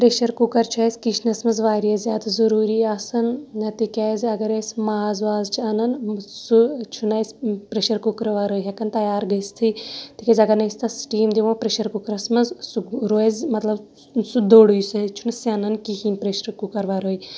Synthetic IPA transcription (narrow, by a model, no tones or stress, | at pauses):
pɾeʃɐɾkukɐɾt͡ʃʰɔsʲkit͡ʃʰnɐsmɐzʋaːɾijɐzʲaːd̪zɐɾuːɾiːɐsɐnɐt̪ikʲɐzɐɡɐɾesmaːzʋaːzt͡ʃʰiɐnɐnsut͡ʃʰunɐjsʲpɾeʃɐɾkukɾɐʋaːɾoːjɦɐkɐnt̪ɐjaːɾɡɐst̪ʰit̪ikʲɐzʲɐɡɐɾnɐsʲt̪ʰɐsʈiːmd̪iʋõpɾeʃɐɾkukɾɐsmɐzsuɾoːzʲmɐt̪lɐb | sud̪oːɽujsɐt͡ʃʰunɐsiɐnɐnkihiːnpɾeʃɐɾkukɐɾʋaɾoːj